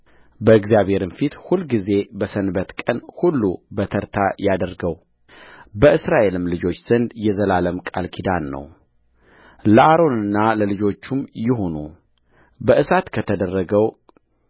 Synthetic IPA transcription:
bəɨɡzjaβhe̞ɾɨnfit̪hulɡize̞bəsənbət̪kʼənhulːubət̪ʰəɾt̪ʰajad̪əɾɡəw | bəʔɨsɾaʔe̞lɨmlɨd͡ʒo̞t͡ʃːz̥ənd̪jɛzəlaləmkʼa̰lkʰid̪anːə̰w | ləʔaɾo̞nɨnːaləlɨd͡ʒo̞t͡ʃːumjɪɦo̞nu | bəʔɨsat̪kʰət̪ʰəd̪ərːəɡəw

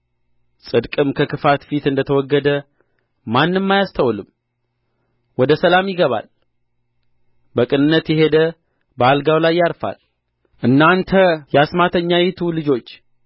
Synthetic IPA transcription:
sʼɨd̪kʼɨmkʰəkɨfat̪fit̪ɨnd̪ət̪ʰəwɔɡːəd̪ə | manːɨmːajast̪ʰəwlɨm | wɔd̪əsəlamjɪɡəβa̰l | bəkʼɨnɨnːət̪jɛɦe̞d̪ə | bəalɡawlajːaɾfa̰l | ʔɨnːant̪ʰəjɛasmat̪ʰəɲːajɛt̪ʰulɨd͡ʒo̞t͡ʃː

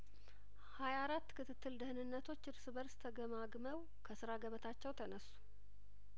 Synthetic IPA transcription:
hajaɾat̪ːkʰɨt̪ʰɨt̪ːɨld̪ɨhɨnɨnːət̪ʰo̞t͡ʃːɨɾsɨβəɾst̪ʰəɡəmaɡməw | kʰəsɨɾaɡəβət̪ʰat͡ʃːɛwt̪ʰənəsːu̥

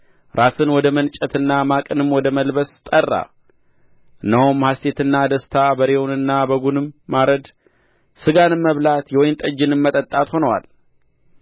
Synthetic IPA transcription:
ɾasɨnwɔd̪əmənt͡ʃʼət̪ʰɨnːamakʼɨnɨmwɔd̪əməlbəst̪ʼərːa̰ | ʔɨnːəhomhast̪ʰe̞t̪ɨnːad̪əst̪ʰabəɾewonɨnːabəɡunɨmːaɾəd̪ | sɨɡanɨmːəβlat̪jɛwɔjɪnt̪ʼəd͡ʒːɪnɨmːət̪ʼət̪ʼːat̪ho̞nəwa̰l

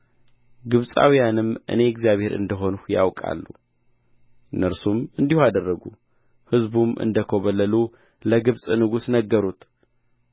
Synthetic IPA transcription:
ɡɨβsʼa̰wijanɨmʔɨ̰ne̞ɛɡzjaβhe̞ɾɨ̰nd̪əɦo̞nuhja̰wkʼa̰lːṵ | nəɾsumɨnd̪ihoad̪ərːəɡu | hɨzbumʔɨ̰nd̪əkʰo̞βəlːəlu | ləɡɨβsʼnɨɡusnəɡːəɾut̪ʰ

